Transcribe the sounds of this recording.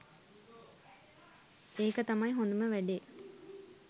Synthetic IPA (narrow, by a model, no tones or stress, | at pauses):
eːkət̪ɐmɐjɦond̪uməʋæɖe